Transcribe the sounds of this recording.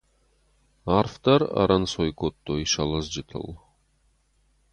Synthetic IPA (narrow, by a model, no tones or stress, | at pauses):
arft̪aɾa̰ɾansojkot̪ːoiʃalˠasd͡ʒɨt̪ʰɨ̰lˠ